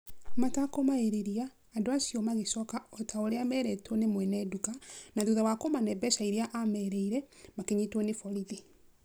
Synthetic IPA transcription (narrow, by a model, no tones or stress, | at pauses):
matakomaeɾeɾiaː | doasiɔmaɣeʃɔkaɔtʰaoɾeamɛɾɛtwɔnemwɛnɛdukanaðuðawakomanɛbɛʃaiɾeaʔamɛːɾɛiɾɛmakeɲitwɔnefɔɾiðe